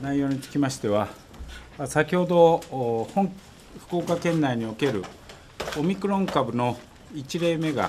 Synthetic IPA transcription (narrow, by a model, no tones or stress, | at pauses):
naijo̞ːɲ̟it͡sɨ̥kʲimaɕi̥t̪e̞βa | sakʲiho̞d̪o̞hõŋ | ɸɯ̥ko̞ːkakẽ̞nːaiɲ̟io̞ke̞ɾɯ̟ | omʲikɯ̟ɾõ̞ŋkabɯ̟no̞ | it͡ɕiɾe̞ːme̞ɡa̰